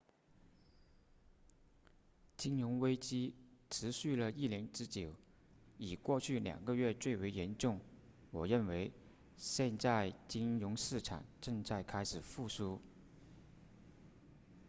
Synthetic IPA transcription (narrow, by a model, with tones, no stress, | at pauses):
t͡ɕi˥ŋɻʊ˧˥ŋwe˥ɪt͡ɕi˥ʈ͡ʂʰɻ̩˧˥ɕy˥˩lə˨i˥˩ljɛ˧˥nʈ͡ʂɻ̩˥t͡ɕjo˨˩˦ʊ | i˨˩kwɔ˥˧t͡ɕʰy˥˩ljɑ̰˨˩ŋɡə˦ɥɛ˥˧t͡swe˥˩ɪwe˧˥ɪjɛ˧˥nʈ͡ʂʊ˥˩ŋ | wɔ˨˩ɻə˥˩nwe˧˥ɪ | ɕjɛ˥˧nt͡sa˥˩ɪt͡ɕi˥ŋɻʊ˧˥ŋʂɻ̩˥˩ʈ͡ʂʰa̰˨˩ŋʈ͡ʂɤ˥˧ŋt͡sa˥˩ɪkʰa˥ɪʂɻ̩˨˩fu˥˩ʂu˥